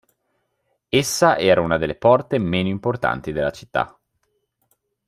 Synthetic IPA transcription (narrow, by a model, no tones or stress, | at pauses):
esːaʔɛːɾaunad̪elːepɔrt̪emeːnoimport̪a̰nt̪id̪elːat͡ʃi̥t̪ːa̰